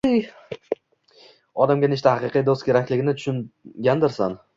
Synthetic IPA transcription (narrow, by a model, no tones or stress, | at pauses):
j | ɒd̪amɡʲanɪʃ̬t̪ʰahaqɨqʰijd̪ost̪̚kʲʰe̞ɾakʲlɪɡʲɪnɪt̪ʰʊ̥ʃʊnɡʲand̪ɪɾsan